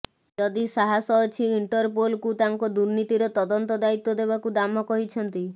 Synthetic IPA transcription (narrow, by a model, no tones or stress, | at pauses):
d͡ʒɔd̪isaɦasɔːt͡ʃʰiiɳʈɔɾpolkut̪aŋkɔd̪uɾnit̪iɾɔt̪ɔd̪ɔnt̪ɔd̪ait̪ːɔd̪eβbakud̪amɔkɔɦit͡ʃʰɔnt̪i